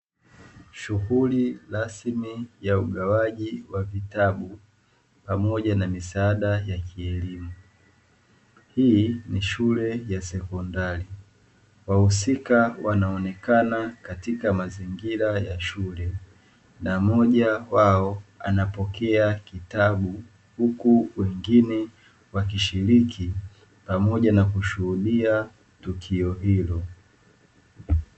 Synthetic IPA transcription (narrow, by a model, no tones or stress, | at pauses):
ʃuɣuliɾasmijauɠawaʄiwavitaɓu | pamɔʄanamisaaɗajakiɛlimu | hiniʃulɛjasɛkɔndaɾi | wahusikawanaɔnɛkanakatikamaziŋɡiɾajaʃulɛ | namɔʄawaɔa̰napɔkɛakitaɓu | hukuwɛŋɡinɛ | wakiʃiɾikʰi | pamɔʄanakuʃuhuɗia | tukʰiɔɦilɔ